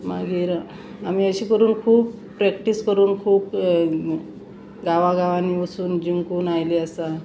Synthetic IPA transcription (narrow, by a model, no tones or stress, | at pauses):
maɡiːɾ | am̤iːəɕiːkəɾuːnkʰuːbpɾɛkʈiskəɾuːnkʰuːb | ɡaʋaɡaʋaniəsuːnd͡ʑiŋkuːnajliasa